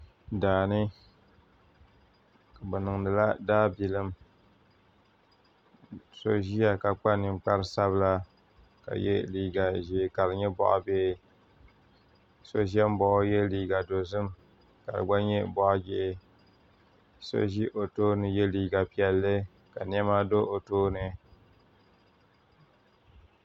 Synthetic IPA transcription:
daː˨nɨ˦ | ka˨bɛ˨nɨ˨ŋnɨ˨la˦daː˦bi˨lɨ˦m | so̰˨ʒi˦a˨ka˨k͡pa˦nɨ˨mk͡pa˦ɾɨ˦sa˦βɨ˦la˦ | ka̰˨jɛ̰˦liː˦ɡa˨ʒi˨ka˨lɨ˨ɲɛ˦bɔ̰˦ʔa̰˦beː˦ | so˨ʒi˦ɛ˦m˦bɔ˨ʔjɛ˦liː˨ɡa˨do˨zɨ˦m | ka̰˨lɨ̰˨ɡ͡ba˦ɲɛ˦bɔ˦ʔd͡ʒɪ˦˨ʔɪ˦ | so̰˦ʒi˦ʔo˨toː˦nɨ˨jɛ˦liː˨ɡa˨pi˨ɛ˨lːɨ˦ | ka˨ni˦ɛ˦ma˦do˦ʔo˨toː˦nɨ˨

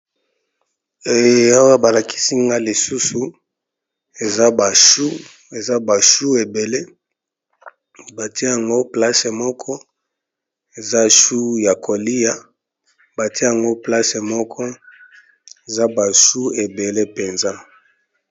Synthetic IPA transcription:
e˨a˦wa˦ba˨la˨ki̥˦si˦ŋɡa˦li˨su˦su˨ | e˨za˦ba˨ʃu˦ | e˨za˦ba˨ʃu˦e˨be˨le˦ | ba˨ti˦e˦ja˨ŋɡo˦pla˦se˨mɔ˦kʰɔ˦ | e˨za˦ʃu˦ja˨kʰo˨li˦ja˨ | ba˨ti˦e˦a˨ŋɡo˦pla˦se˨mɔ˦kʰɔ˦ | e˨za˦ba˨ʃu˦e˨be˨le˦pe˨nza˦

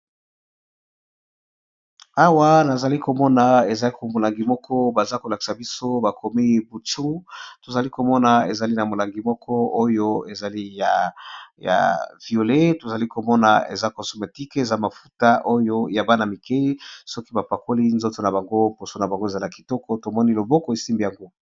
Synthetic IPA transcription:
a˦wa˦na˨za˨li˦ko˨mɔ˦na˨e˨za˨li˦ko˨mo˨la˨ŋɡi˨mɔ˦kʰɔ˦ba˨za˦ko˨la˨ki̥˨sa˨bi˦so˦ba˨kʰo˨me˦e˦bu˨t͡ʃu˦to˨za˨li˦ko˨mɔ˦na˨e˨za˨li˦na˨mo˨la˨ŋɡi˨mɔ˦kʰɔ˦o˦jo˦e˨za˨li˦ja˨ja̰˨vi˨o˨le˦to˨za˨li˦ko˨mɔ˦na̰˨ḛ˨za˦kɔ̃˨so˨me˨ti˦ke˨za˦ma˨fu˦ta˦ʔo˦jo˦ja˨ba˦na˨mi˨ke˦sɔ˦ki˦ba˨pa˨ko˦li˦nzo˦to˨na˨ba˨ŋɡo˦po˨so˦na˨ba˨ŋɡo˦e˨za˦la˨ki˨tɔ˦kɔ˦to˨mɔ˦ni˦lo˨bɔ˦kɔ˨e˨si˦mbi˨ja˨ŋɡo˦

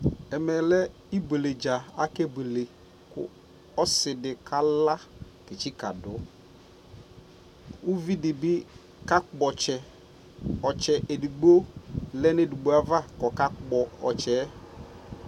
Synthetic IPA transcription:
ɛ˨mɛ˨lɛ˦ | i˦be˨le˨d͡ʒa˨a˦ke˦be˨le˨ | kʊ̰˨ | ɔ˦sɪ˨dɪ˨kʰa˦la˦ | ke˨t͡ʃi˦ka˨dʊ˨˦ | u˦vi˦dɪ˨bɪ˦ | ka˦ɔ˨t͡ʃɛ˨ | ɔ˨t͡ʃɛ˨ʔe˨du˨ɡ͡bo˦lɛ˦ne˦du˨ɡ͡bo˨˦a˦va˦kɔ˨ka˦k͡pɔ˨ɔ˨t͡ʃɛː˨˦

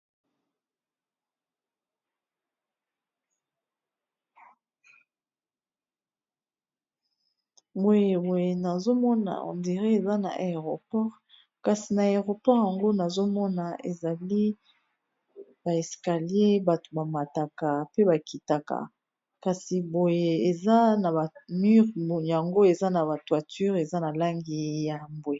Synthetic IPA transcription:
bo˨je˨we˨na˨zo˦mɔ˦na̰˨ɔ̰˨ndi˨ʁe˦e˨za˦na̰˨ʔe˨e˨ʁo˨pɔ˦ʁ | ka˨si˨na˨e˨ʁo˨pɔ˦ʁja˨ŋɡo˦na˨zo˦mɔ˦na˨e˨za˨li˦ | ba˨e˨ska˨li˦e˦ba˨to˨ba˨ma˨ta˨ka˨pe˦ba˨ki˨ta˨ka̰˨ | ka˨si˨bo˨je˨e˨za˦na˨ba˨my˦ʁja˨ŋɡo˦e˨za˦na˨ba˨twa˨ty˦ʁe˨za˦na˨la˦ŋɡi˨ja˨mbwe˨

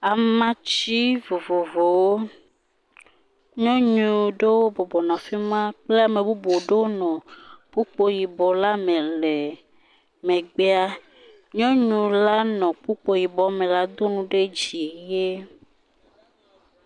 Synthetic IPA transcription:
a˨m˦mã˦t͡ɕi˦vo˨vo˨vo˨wo˦ | ɲɔ̃˦ɲũ˨ɖe˦wo˦bɔ˨bɔ˨nã˨fi˦mã˦k͡ple˦a˨mẽ˨bu˦bo˨ɖe˦wo˦nɔ̃˨k͡pu˦k͡po˦ji˨bɔ˨la˦mẽ˨le˨ | mẽ˨ɡ͡be˦a˦ | ɲɔ̃˦ɲũ˨la˦nɔ̃˨k͡pu˦k͡po˨ji˨bɔ˨mẽ˨la˦d̪o˦nũ˦ɖe˦d͡ʒi˨je˦

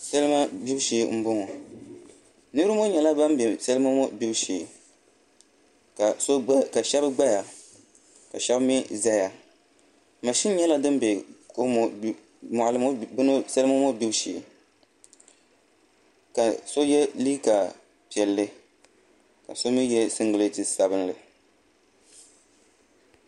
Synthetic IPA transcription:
sa˦lɨ˦ma˦bi˦ʃi˨˦m̩˦bʊ˦ŋɔ˨ | nɨ˦ɾɨ˦mo˦ɲɛ˨la˦ba˦m˦bɛ˨sɛ˦lɨ˦ma˦mo˦bi˦bʃiː˨ | ka˨so˦ka˨ʃɛ˦bɨ˦ɡ͡ba˦ja˨ | ka˨ʃɛ˦bmi˦za˦ja˨ | ma˨ʃi˦n˦ɲɛ˦la˦dɨ˦m˦be˨ko˦m˦ | mʊ˨lɨ˦mʊ˦bɨ˦nɨ˦sɛ˦lɨ˦ma˦mo˦bi˦bʃḭ˨ | ka˨so˦jɛ˦liː˦ka˨ | pi˨ɛ˨lːɨ˦ | ka̰˨so˦mi˦jɛ˦sɨ˦ŋɡɨ˨lɨ˦tɨ˨sa˨bɨ˦nlɨ˨

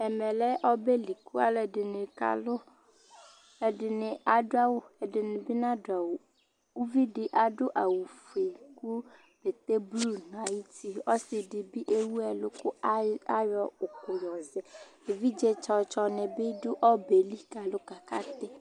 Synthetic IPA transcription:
ɛ˨mɛ˨lɛ˦ʔɔ˦be˦li˨ku˦a̰˨lɛ˨dɪ˨nɪ˨ka̰˨lʊ˦ | e˨ɖɪ˨nɪ˨a˨dʊ˦a˦wʊ˦ɛ˨dɪ˨nɪ̃˨bɪ˦nã˦dʊ˨a˨wu˨ | wu˦vi˦ɖɪ˨ʔa˨ɖʊ˦ʔa˨wu˨fe˨ku˦ | b̥e˨t̪e˦blu˦n˨a˨ji˦t̪i˦ɔ˦sɪ˨ɖɪ˨bi˦ʔe˦wu˦ɛ˨lʊ˦kʊ˦a˦jɔ˦ʊ˨kʊ˨jɔ˨zɛ˨e˨vi˦d͡ʒe˦t͡ʃɔ˨t͡ʃɔ˦nɪ˨bɪ˦dʊ˦ʔɔ˦be˨li˦ka˨lʊ˦ka˨ka˦t̪ɪ˦

